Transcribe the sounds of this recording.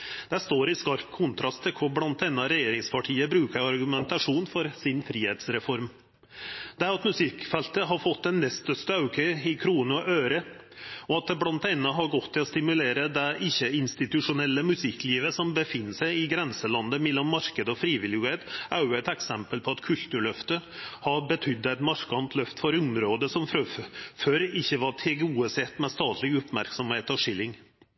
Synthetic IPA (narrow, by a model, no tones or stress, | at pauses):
d̪̥ɛst̪oːɾɪskɑɾkkʰʊnt̪ʰɾɑst̪ʰːɪkʰʊblɑnt̪ɛnːɑɾɛjeːɾɪŋspʰɑʈʰiːəbɾʉːkəɾɑɾɡʉmɛnt̪ɑʂuːnfɔɾsɪnfɾiːheːt̪sɾɛfɔɾm | d̪̥ɛæɾɑt̪mʉsɪkfɛlt̪əɦɑɾfɔt̪̚d̪ɛnːɛst̪œst̪əɑʉkʰəɪkʰɾuːnʊʔøːɾə | ɔɑt̪̚d̪ɛblɑnt̪ɛnːɑɦɑɾɡɔt̪ʰːɪlɔst̪ɪmʉleːɾəd̪ɛʔɪçːəɪnst̪ɪt̪ʉʂʊnɛlːəmʉsɪkːliːʋəsɔmbəfɪnːəsæɪɪɡɾɛnsəlɑnd̪əmɛlːɔmːɑɾkəd̪əɔfɾiːʋɪlɪʉeːt̪ʔɑʉɛt̪ɛksɛmpəlpʰɔɑt̪kʰʉlt̪ʉɭœft̪əhɑɾbət̪ʰʏd̪ːəæɪt̪mɑɾkɑnt̪ʰlœft̪fɔɾʊmɾoːd̪əsɔmfɾøføɾɪçːəʋɑʈʰɛɡuːəsɛt̪ːmɛst̪ɑːt̪ʰlɪɡʉpmæɾksɔmheːt̪ɔʂɪlːɪŋ